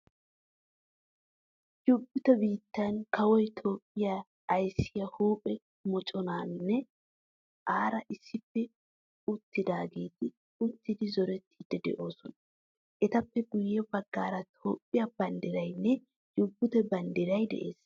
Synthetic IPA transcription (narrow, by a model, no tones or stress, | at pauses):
jʊbːʊt̪ɛbiːt̪ːɐnkɐwɔjt̪ʰo̞ːpʼːɪjaː | jsːɪjɐhuːpʼɛ | mɔt͡ʃʼɔnaːnːɛ | ʔaːɾɐʔɪsːɪpːɛ | ʊt̪ːɪd̪aːɡeːt̪ɪ | ʊt̪ːɪd̪ɪzɔɾɛt̪ʰːiːd̪ːɛd̪ɛ̰ʔo̞ːsɔnɐ | ʔɛt̪ɐpːɛɡʊjːɛbɐɡːaːɾɐt̪ʰo̞ːpʼːɪjabɐnd̪ɪɾɐjnːɛ | jʊbːʊt̪ɛbɐnd̪ɪɾɐjd̪ɛ̰ʔḛːs